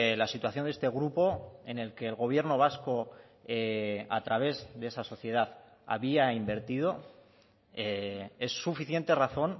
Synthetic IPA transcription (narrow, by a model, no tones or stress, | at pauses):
lasit̪waθjo̞nd̪e̞st̪e̞ɣ̞ɾupo̞e̞ne̞lke̞ːlɣo̞β̞je̞ɾno̞β̞asko | ea̰t̪ɾaβ̞e̞zðeesaso̞θje̞ð̞aθ | a̰βiaimbe̞ɾt̪ið̞o̞ | ee̞sːufiθjent̪e̞raθo̞n